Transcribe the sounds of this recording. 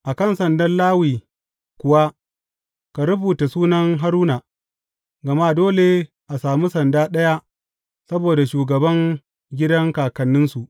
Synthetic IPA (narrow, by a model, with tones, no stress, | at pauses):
ʔa˨kɐ˦˨nsɐ˨ndɐ˦nlaː˦wiː˨ | kʷʊ˨wa˦ | ka˨ɾʊ˦buː˨ta˨suː˦nɐ˦ŋɦa˦ɾuː˦na˨ | ɡɐ˨ma˦doː˦le˨ | ʔa˨saː˨mu˦sɐ˨ndaː˦ɗɐ˦ja˦ʔ | sɐ˦boː˨da˨ʃuː˨ɡɐ˨bɐ˦ŋ | ɡʲɪ˦dɐ˦ŋkaː˨kɐ˨nːɪ˦nsu˨ʔ